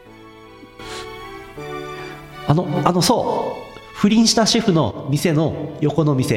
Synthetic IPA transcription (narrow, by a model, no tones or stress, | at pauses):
ano̞ano̞so̞ː | ɸɯ̟ɾʲĩɰ̃ɕi̥t̪aɕiɸɯ̟no̞̰mʲise̞no̞jo̞ko̞no̞mʲise̞